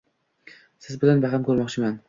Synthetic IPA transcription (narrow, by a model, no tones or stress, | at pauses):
sɪzbɪlanbaʁɪmkʰɵɾmɒqt͡ʃʰɪman